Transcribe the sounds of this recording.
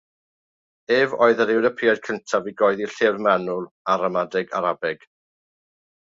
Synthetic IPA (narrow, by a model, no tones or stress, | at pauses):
eːvɔ̰ɨðəɾɪwdəpʰɪad̥̚kʰəntʰaviɡɔɨðiɬɪrmɛnʊlˠ | aɾamadɪɡa̰ɾabɪɡ̥